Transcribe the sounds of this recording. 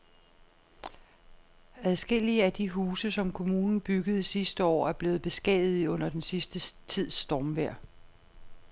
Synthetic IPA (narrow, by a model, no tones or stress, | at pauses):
æð̞ˠsɡ̥e̝l̰iəæd̥iɦuːsəsɒ̽mkʰo̝muːnn̩b̥yɡ̥ð̞̩ˠisisd̥əɒ̰ːæɐb̥le̝ːð̩ˠb̥e̝sɡ̥ɛ̰ðð̩ˠɔ̽n̰ɐd̥ensisd̥ət͡sʰið̞̰ˠsd̥ɒːmʋæɐ̰